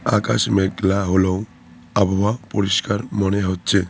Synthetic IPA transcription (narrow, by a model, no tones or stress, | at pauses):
akaʃmeɡlaɦolow | abʱɔbapoɾiʃkaɾmoneɦotːɕʰe